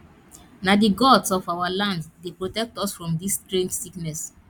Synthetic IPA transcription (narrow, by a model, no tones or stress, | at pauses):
nadiɡɔdsɔfawalãnddepɹotɛk̚tɔsfɹɔ̃mdistɹẽnd͡ʒsiknɛs